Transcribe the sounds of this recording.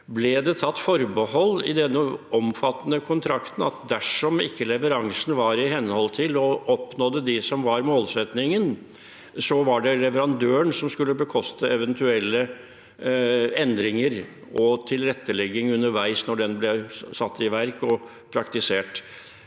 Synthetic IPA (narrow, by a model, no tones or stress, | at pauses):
blɛd̪ɛt̪ʰɑt̪ːfɔɾbəhɔlːɪ̰d̪ɛnːəɔmfɑt̪ːənəkʰʊnt̪ʰɾɑkt̪n̩ɑt̪̚d̪æʂɔmɪkːəlɛʋəɾɑŋsnʋɑɾɪɦɛnːhɔlt̪ʰɪlɔɔpnoːd̪əd̪ɪsɔmʋɑɾmoːlsɛt̪nɪŋən | sɔʋɑɖɛlɛʋəɾɑnd̪øːəɳsɔmskʉlːəbəkʰɔst̪əɛʋɛnt̪ʰʉɛlːə | ɛnd̪ɾɪŋəɾ | ɔt̪ʰɪlɾɛt̪ːəlɛɡːɪŋʉnːəɾʋæɪsnɔɖɛnblɛsɑt̪ːɪʋæɾkɔ | pʰɾɑkt̪ɪseːʈ